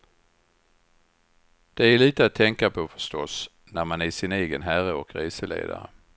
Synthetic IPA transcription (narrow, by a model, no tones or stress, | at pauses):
d̪̥ɛæɭiːt̪əat̪ʰːɛŋkapʰɔfœ̥ʂtɔs | næɾmanæsɪneːɡənɦæɾəɔkɾeːsəlḛːd̪a̰ɾə̰